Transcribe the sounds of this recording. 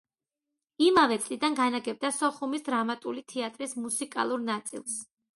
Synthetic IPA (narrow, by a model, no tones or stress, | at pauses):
imavɛt̪sʼlid̪anɡanaɡɛb̚d̪asɔχumisd̪ɾamat̪ʼulit̪ʰɛat̪ʼɾismusikʼa̰lˠuɾnat̪sʼḭlˠs